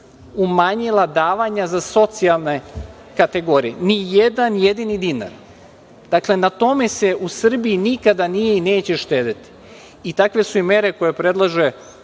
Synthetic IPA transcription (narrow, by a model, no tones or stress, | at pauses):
umaːɲilˠad̪aːʋaɲazaso̞t̪sialˠne | kat̪e̞ɡo̞ːɾijenijed̪anjed̪inid̪ina̰ɾ | d̪̥akle̞nat̪o̞me̞seʔusr̩biinikad̪anijeineːt͡ɕe̞ʃt̪eːd̪et̪i̥ | it̪akʋe̞suimeɾe̞ko̞jepɾe̞d̪lˠaʒe